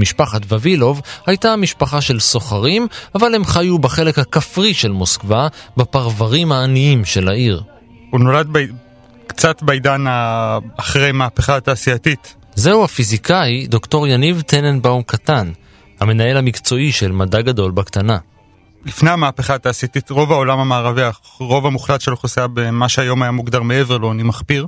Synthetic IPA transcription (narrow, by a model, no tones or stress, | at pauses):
miʃpaχatvavilo̞vhajtamiʃpaχaʃe̞lso̞χaʁimavale̞mχajubaχe̞le̞khakafʁiʃe̞lmo̞skvabapaʁvaʁimhaːniimʃe̞laiʁ | unolad̪̚b | kt͡satbeidanaːχʁejmaːpeχataːsiatit | ze̞uhafizikʰaid̪o̞kto̞ʁjanivt̪enenbaumkʰatan | hame̞nae̞lamikt͡so̞iʃe̞lmadaɡado̞lbaktana | lifnejamaːpeχaːt̪aːsiat̪it̪ʁo̞vao̞lamhamaːʁavia | ʁo̞vamuχlat̪ʃelχosabemaʃeajo̞majamuɡdaʁmeeveʁloanimaχpiʁ